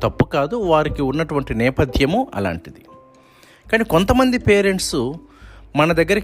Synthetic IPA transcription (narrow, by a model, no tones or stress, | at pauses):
t̪ɐpːukaːd̪uʋaːɾikiunːɐʈuʋɐɳʈinɛːpɐd̪ʰjɐmuʔɐ̰la̰ːɳʈid̪i | kaːniːko̞nt̪ɐmɐnd̪ipeːɾe̞ɳʈsu | mɐnɐd̪ɐɡːɐɾik